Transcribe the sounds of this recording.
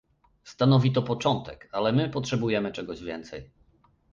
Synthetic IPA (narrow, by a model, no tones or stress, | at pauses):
st̪anɔvʲit̪ɔpɔt͡ʂɔnt̪ɛkalɛmɘpɔtʂɛbujɛmɘt͡ʂɛɡɔʑvʲjɛ̰nt̪sɛj